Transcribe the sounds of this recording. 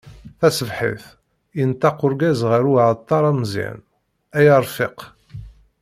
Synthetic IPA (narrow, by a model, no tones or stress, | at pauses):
θæsəvħḭθ | jənt̪ːɑqʊɾɡæzʁəɾuʕt̪ˤːɑɾˤæmzḭn | æjɑɾˤfɪq